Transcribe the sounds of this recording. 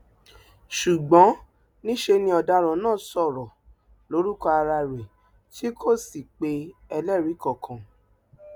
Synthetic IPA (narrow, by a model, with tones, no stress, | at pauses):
ʃu˨ɡ͡bɔ̃˨˦ | nĩ˦ʃe˧nĩ˧ɔ˧da˧ɾɔ̃˨˦nãː˦˨sɔ˦˨ɾɔ˨ | lo˨˦ɾu˦kɔ˧a˧ɾa˧ɾe˨ | ti˦kʰo˦˨si˨k͡pe˧ɛ˧lɛ˦˨ɾi˨˦kɔ˦˨kʰã˨